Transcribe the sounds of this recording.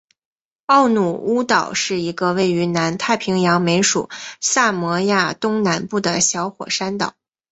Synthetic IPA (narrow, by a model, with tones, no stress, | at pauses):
ɑ˥˩ʊnu˨˩u˥t̪ɑ˨˩ʊʂɻ̩˥˩i˧˥ɡə˧we˥˩ɪy˧˥na˧˥nt̪ʰa˥˩ɪpʰi˧˥ŋjɑ˧˥ŋme˧˥ɪʂṵ˨˩˦sa˥˩mɔ˧˥ja˥˩t̪ʊ˥ŋna˧˥npu˥˩d̪ə˩ɕjɑ˧˥ʊxwɔ̰˨˩ʂa˥nt̪ɑ̰˨˩˦